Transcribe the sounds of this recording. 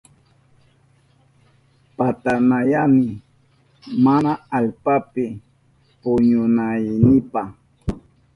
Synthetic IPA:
pat̪anajamɪ | manaalpapɪ | pʊɲʊnajnɪpa

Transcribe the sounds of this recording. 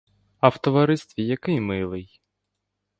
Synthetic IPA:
ɐwt̪ɔʋɐɾɪst̪ʋʲijɐkɪjmɪlˠɪj

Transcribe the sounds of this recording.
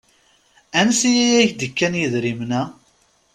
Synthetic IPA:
ænsijæjæjəçd̪əkːænjiðɾimnæ

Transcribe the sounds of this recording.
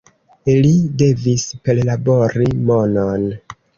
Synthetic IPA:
ilide̞vispe̞llabo̞ɾimo̞non

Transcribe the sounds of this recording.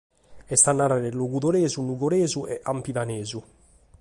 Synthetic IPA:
ɛst̪anːaɾaɾeluɡud̪oɾeːzunuɡoɾeːzuʔɛ̰ʔampid̪aneːzu

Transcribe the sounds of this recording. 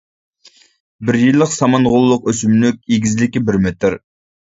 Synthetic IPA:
bɪɾjilˠːəqsɑmɑnʁʊlˠːʊqøsymlyk̚ʲeɡʲizlɪkʲibɪɾmet̪ʰɪɾ

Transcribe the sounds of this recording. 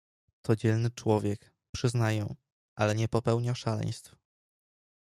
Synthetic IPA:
t̪ɔd͡ʑɛlnɘt͡ʂwɔvʲjɛk | pʂɘznajɛ̃ | ʔalɛɲɛpɔpɛwɲaʂalɛ̰j̃st̪f

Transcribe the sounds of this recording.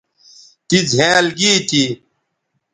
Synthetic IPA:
t̪id͡zʱẽːɐlɡiːt̪i

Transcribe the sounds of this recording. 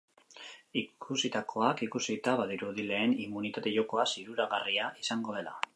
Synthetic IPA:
ikʰusit̪akʰo̞akikusit̪aβaðiɾuðile̞ːnimunit̪at̪e̞ʝo̞ko̞asiɾuɾaɣariaisaŋɡo̞ð̞e̞la̰

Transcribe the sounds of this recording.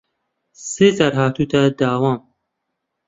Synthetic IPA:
sezaɾɦaːt̪ʰut̪ʰad̪aːwaːm

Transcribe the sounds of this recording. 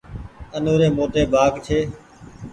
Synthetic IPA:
ənoːɾeːmoːt̪eːbʱaːkt͡ʃʰeː

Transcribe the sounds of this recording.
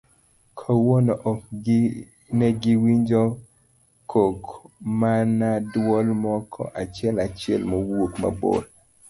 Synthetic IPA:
kʰowonɔʔɔk | nɛɡiwiɲd͡ʒɔ | kʰokmanadwɔlmɔkʰɔ̰ʔat͡ʃɪɛlat͡ʃɪɛ̰lmowokma̰bo̰d

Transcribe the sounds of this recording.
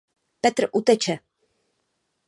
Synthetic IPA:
pɛt̪ɾʔut̪ɛt͡ʃɛ

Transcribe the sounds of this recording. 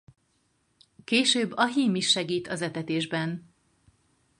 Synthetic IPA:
keːʃøːbːɒɦiːmiʃːɛɡiːt̪ʰɒzɛt̪ɛt̪eːʒbɛn

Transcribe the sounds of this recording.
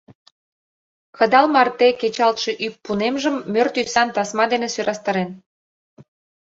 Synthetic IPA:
kə̆d̪ɑlmɑrt̪eket͡ɕɑlt̪ʃe̽ʔypːunemʒəmːørt̪ysɑnt̪ɑsmɑd̪enesyɾʔɑst̪əɾen

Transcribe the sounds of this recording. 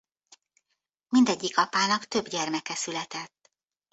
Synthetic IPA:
mind̪ɛɟːikɒpaːnɒkt̪ø̞bɟɛrmɛkɛsylɛt̪ɛt̪ː

